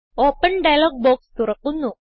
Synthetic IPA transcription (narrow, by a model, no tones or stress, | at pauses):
opənɖajlɔk̚bɔkst̪uɾək̚unu